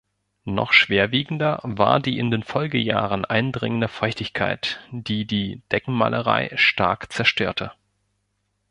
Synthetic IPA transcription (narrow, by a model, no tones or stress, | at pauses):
nɔ̰χʃv̥eːɐviːɡŋ̩dɐva̰ːɐdiːɪndeːnfɔlɡəja̰ːʁənʔaɪndʁɪ̰ŋəndəfɔʏçtɪçkʰaɪtd̥iːdiːd̥ɛkŋ̩ma̰ːlʔəʁa̰ɪʃta̰ɐkt͡sɛɐʃtʰøːɐtʰə